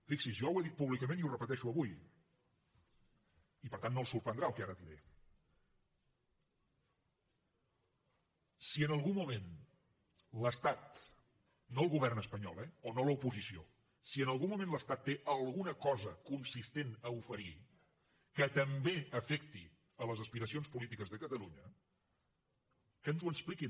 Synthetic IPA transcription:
fiksizʒɔweðit̪̚puβlikəmẽniurəpət̪ɛʃuəβuj | ipəɾt̪anːolˠsuɾpənd̪ɾaəlˠkɛaɾət̪iɾḛ | siənəlˠɣumːumen | ləst̪at̪ | noəlˠɣuβɛrnəspəɲɔ̰lˠɛonoləupuzisio̰ | siənəlˠɣumːumẽnləst̪at̪ːeʔəlˠɣunəkɔzəkunsist̪enəufəɾi | kət̪əmbeəfɛkt̪i | ələzəspiɾəsionspulit̪ikəzðəkət̪əluɲə | kənzuəspliki

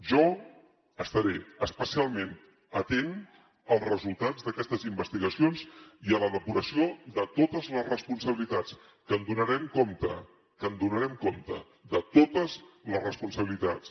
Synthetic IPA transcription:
ʒɔ | əst̪əɾeəspəsialˠmen | ət̪en | əlˠzrəzulˠt̪ad͡zðəkɛst̪əzimbəst̪iɣəsionziələðəpuɾəsioðət̪ot̪əzləzrəspunsəβilit̪at͡s | kənd̪unəɾɛmkomt̪ə̰ | kənd̪unəɾɛmkomt̪ə̰ | ðət̪ot̪əzləzrəspunsəβilit̪at͡s

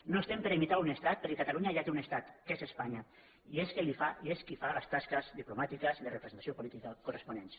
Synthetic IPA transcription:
noest̪empeɾimit̪aunest̪at̪̚peɾkekat̪aluɲaʒat̪eunest̪at̪kezespaɲa | ieskelifaieskifalast̪askazðiplumat̪ikəzðerepɾesent̪asiopulit̪ikakurespunens

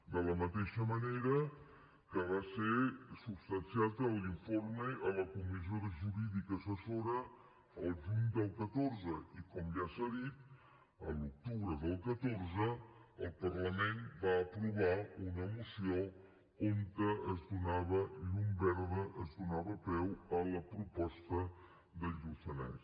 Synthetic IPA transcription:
d̪ələmət̪eʃəməneɾə | kəβaseɾsubst̪ənsiat̪əliɱfoɾmeʔələkumizoɾəʒuɾiðikəsəsoɾə | əlˠʒuɲd̪əlˠkət̪oɾzəikɔmʒasaðit̪̚ | əluk̚t̪uβɾəðəlˠkət̪oɾzəəlˠpərləmenbaːpɾuβaunəmusio | oŋkəəzd̪unaβəiʎumbɛɾðəʔəzd̪unaβəpɛwələpɾupɔst̪ə | ðəufəna̰

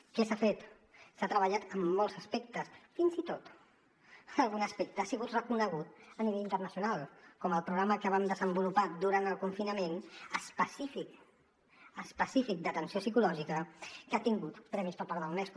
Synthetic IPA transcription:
kəsafet̪ | sat̪ɾəβəʎat̪əmːolˠzəspek̚t̪əsfinzit̪ot̪ | əlˠɣunəspek̚t̪əasiɣut̪rəkunəɣ̞ut̪əniβeʎint̪ərnəsiunalˠkɔməlˠpɾuɣɾaməkəβamd̪əzəmbulupad̪uɾant̪əlˠkuɱfinəmenəspəsifik | əspəsifik̚d̪ət̪ənsiosikulɔʒikəkat̪iŋɡut̪pɾɛmispəɾpaɾðəlˠmɛsk

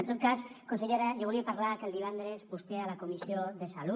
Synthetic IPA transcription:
nt̪ot̪̚kaskonseʎeɾajoβuliapaɾlaɾkeld̪iβ̞and̪ɾespust̪ealakomisjoðesalu

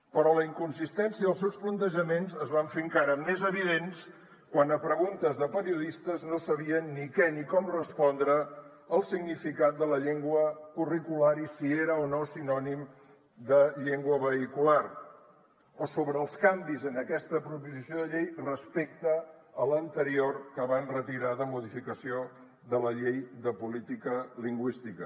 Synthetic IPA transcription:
pəɾɔləiŋkunsist̪ɛnsiəðəlˠsɛwsplənt̪əʒəmenzəzβaɱfeəŋkaɾəmezəβ̞iðens | kwanəpɾəɣunt̪əzðəpəɾiuðist̪əznosəβ̞iənːikɛnikɔmrəspɔnd̪ɾəː | lˠsiɡnifikat̪̚d̪ələʎeŋɡwəkurikulaɾisieɾəonosinɔnim | d̪əʎeŋɡwəβəikular | ɔsoβɾəːlˠskambizənəkɛst̪əpɾupuzisioðəʎejrəspek̚t̪əːlənt̪əɾioɾkəβanrət̪iɾaðəmuðifikəsio | ðələʎejd̪əpulit̪ikəliŋɡwist̪ikə

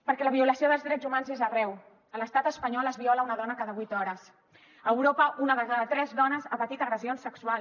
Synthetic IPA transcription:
pəɾkɛləβiuləsioðəlˠzðɾɛzumanzezərɛw | ələst̪at̪əspəɲɔləzβiɔləunəðɔnəkaðəβwit̪ɔɾəs | əwɾopəʔunəðəkaðət̪ɾɛzðɔnəzəpət̪it̪ərəzionsəksual

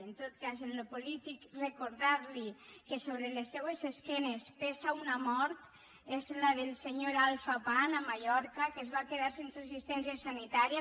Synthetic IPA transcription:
ent̪ot̪̚kazenlopolit̪ikrekoɾðaɾlikesoβɾelesːewezeskɛnespesaunamɔɾt̪ | ezlaðelˠseɲoɾalˠfapanamaʎɔɾkakezβakeðaɾsenseas̬ist̪ɛns̬iasanit̪aɾija

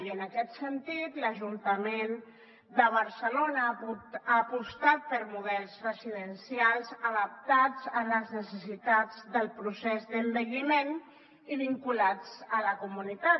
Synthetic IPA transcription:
ənəkɛt̪sənt̪it̪ləʒunt̪əmen | d̪əβ̞əɾsəlonəuaːpust̪at̪̚pəɾmuðɛlˠzrəziðənsialˠzəðəp̚t̪ad͡zəmləznəsəsit̪ad͡zd̪əlˠpɾusɛzd̪əmbəʎimen | iβiŋkulad͡zələkumunit̪a

